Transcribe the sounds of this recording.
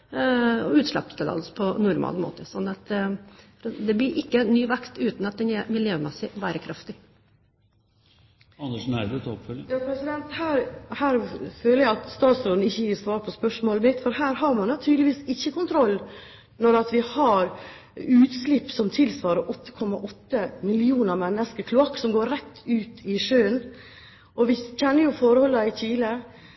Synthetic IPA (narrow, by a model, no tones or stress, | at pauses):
ɔʉːt̪ʂlɑ̰pːst̪ɛd̪ɑ̰lspʰɔnʊɾmʔɑ̰lmo̰ːt̪əsɔnːɑt̪ | ɾd̪ɛblɪɾʔɪkːənyːʋækt̪ʉːt̪nɑt̪̚d̪ɛnæmɪljøːmɛsɪʋæːɾəkʰɾʔɑft̪ɪ | ɑnːəʂnæɪd̪ət̪ʰɔpfœləjɑːpʰɾɛsɪd̪ɛnt̪hæːɾhæːɾføːləɾjæɪɑt̪st̪ɑːt̪sɾoːd̪n̩ɪçːəjiːɾsʋɑːɾpʰɔspœʂmoːləbɪt̪ːfɔɾhæːɾɦɑɾmɑnɑt̪ʰyːd̪lɪʋiːsɪçːəkʊnt̪ʰɾɔlː | nɔɾɑt̪ʋɪhɑɾ | ʉːt̪slɪpːsɔmt̪ʰɪlsʋɑːɾəɾʔɔt̪ːə̥kʰɔmːɑʔɔt̪ːəmɪlɪuːnəɾmɛnːəskəkʰlʊɑkːsɔmɡoːɾɾɛt̪ːʉːt̪ʰɪʂøːən | ʔɔʋɪçɛnːəɾjʊfɔɾəhɔlːɑɪçiːlə